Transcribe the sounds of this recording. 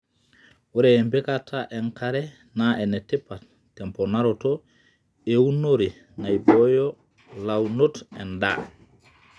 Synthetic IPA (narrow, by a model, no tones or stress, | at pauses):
wɔɾɛːmbɛkatʰaʔɛnkaɾɛ | naɛnɛtɛpːa | tːɛmpɔnaɾɔtɔ | ewunoɾi | najbɔjɔ | lawnotɛ̰nda̰